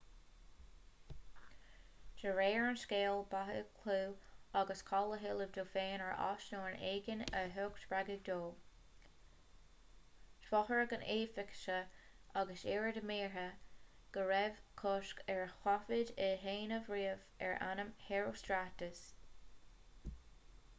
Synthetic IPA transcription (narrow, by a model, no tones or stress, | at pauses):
d͡ʒəɹeːəɹnskeːlˠbaɦə̰kʰluːaɡəskʰɑləɦɪləvd̪oːfeːnəɹʔɑ̰ʃnoːɹneːɡənəɦʊːktb̥ɹaɡɪɡ̚d̪oː | ʃfɔxəɹɡəneːfɪkʃə | ʔaɡəseːɹədəmiːɹə | ɡ̥əɹɛvkʰʊʃkɛɹxwafɪdɪɦeːnəvɹiːəvɛ̰ɹʔa̰nəmheɹoːstɾatəs